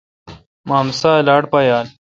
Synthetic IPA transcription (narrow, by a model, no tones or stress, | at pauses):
maːmsaːlaːɽpajaːl